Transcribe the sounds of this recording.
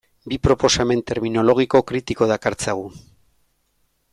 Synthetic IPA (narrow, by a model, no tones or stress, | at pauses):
bipɾo̞po̞same̞nt̪e̞ɾmino̞lo̞ɣ̞iko̞kɾit̪iko̞ð̞akaɾt͡saɣu